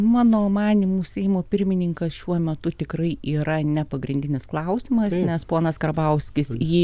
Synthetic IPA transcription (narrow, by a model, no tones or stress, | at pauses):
mɑːnoːmɑːnʲimuːsʲɛɪjmoːpʲɪɾʲmʲɪnʲɪŋkɐsʃʲuɔmʲɛt̪ʊt̪ʲɪkɾɐɪiːɾɐnʲɛpɐɡɾʲɪnʲd̪ʲɪnʲɪsklˠɐʊsʲɪmɐsnʲɛspoːnɐskɐrbɐʊsʲkʲɪsiː